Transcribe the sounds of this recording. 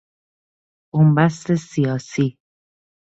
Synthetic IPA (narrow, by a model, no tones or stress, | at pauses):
ombæst̪esijɒːsiː